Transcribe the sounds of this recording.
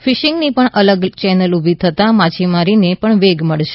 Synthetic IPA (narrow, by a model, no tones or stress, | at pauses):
fɪʃɪŋɡnipəɳʔələɡt͡ʃɛnəlubʱit̪ʰət̪amat͡ʃʰimaɾinepəɳʋeɡməɭʃe̥